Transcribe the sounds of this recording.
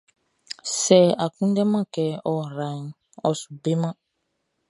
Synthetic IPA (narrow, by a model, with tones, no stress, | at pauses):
sɛ˨a˨kũ˦n˦dɛ˦mã˦kɛ˨ɔ˨ɾa˨ | ɔ˨su˨be˦mã˦